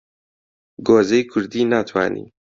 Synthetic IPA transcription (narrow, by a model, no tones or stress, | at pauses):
ɡoːzejkʰʊɾd̪iːnaːt̪ʰwa̰ːnḭː